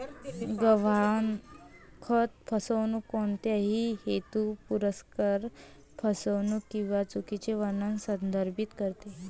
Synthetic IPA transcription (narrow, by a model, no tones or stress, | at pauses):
ɡəʋankʰət̪fʰəsəʋnukoɳt̪jaɦiːhet̪upuɾəskaɾ | fʰəsəʋnukĩw̃ʋat͡sukit͡ɕeʋənənsənd̪əɾbit̪kəɾt̪e